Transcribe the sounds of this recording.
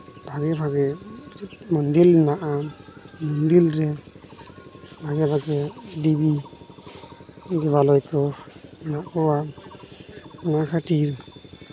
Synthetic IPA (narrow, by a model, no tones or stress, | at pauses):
bʱaɡɛbʱaɡɛ | mɔndilnaʔamɔndilɾɛ | bʱaɡɛbʰʱaɡɛdibi | ɡɛβalɔjkɔnaʔkɔwa | ɔnakʰatiɾ